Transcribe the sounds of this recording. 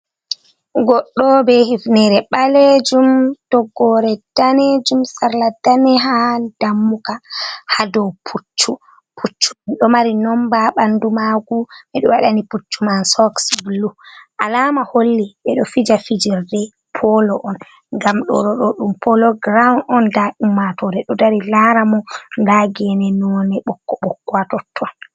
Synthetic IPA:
ɡɔɗːɔbɛhifnɛɾɛɓalɛd͡ʒumtɔɡːɔɾɛd̥anɛd͡ʒumsaɾladanɛɦad̥amːukahadɔwpʰut͡ʃːu | pʰut͡ʃːumanɗɔmaɾinɔmbaɓandumaɡuɓɛɗɔwaɗaniput͡ʃːumansɔksbluʔalamaholːiɓɛɗɔfid͡ʒafid͡ʒiɾdɛ | pʰɔlɔʔɔn | ŋɡamɗɔ̰ɗɔɗɔɗumpʰɔlɔɡɾawnɔndaʔumːatɔɾɛɗɔdaɾilaɾamɔŋɡaɡɛnɛnɔnɛɓɔkːɔɓɔkːwatɔtʰːɔn

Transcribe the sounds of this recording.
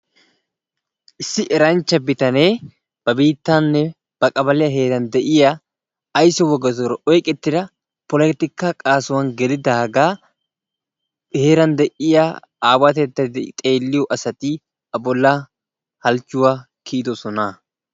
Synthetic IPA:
ʔɪsːɪʔɛɾɐnt͡ʃːɐbɪt̪ɐne̞ː | b̥ɐbiːt̪ːanːɛ | b̥ɐkʼɐbɐlɪjɐɦe̞ːɾɐnd̪ɛʔɪjaː | jsɔwɔɡːɐsɔɾɐʔɔjkʼɛt̪ːɪd̪ɐ | pɔlɛt̪ːɪkːaːkʼaːsʊwɐnɡɛd̪ɪd̪aːɡaː | he̞ːɾɐnd̪ɛʔɪja | aːwɐt̪ɛd̪ːɐd̪t̪ʼe̞ːlːɪjɔʔɐsɐt̪i | ɐbɔlːa | hɐlt͡ʃːʊwaː | kʰiːd̪ɔsɔna

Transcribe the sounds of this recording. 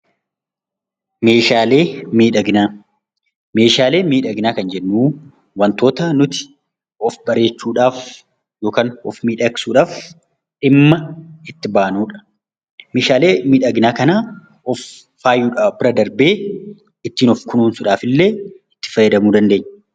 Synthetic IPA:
me̞ːʃaːleːmiːᶑɐɡnaː | me̞ːʃaːle̞ːmiːᶑɐɡɪnaːkɐnd͡ʒɛnːuː | wɐnt̪oːt̪ɐnʊt̪ɪ̥ | ɔfbɐɾe̞ːt͡ʃːuːᶑaːf | jo̞ːkaːnɔfmiːᶑɐksuːᶑaːf | ᶑɪmːɐɪt̪ːɪbaːnuːᶑɐ̥ | meːʃaːle̞ːmiːᶑɐɡnaːkɐnaː | ɔfː | aːjuːᶑaːɔbɪɾɐd̪ɐɾbeː | ɪt̪ːiːnɔfkʊnuːnsʊᶑaːfɪlːe̞ːɪt̪ːɪ̥fɐjːɐd̪ɐmuːd̪ɐnd̪eːɲː

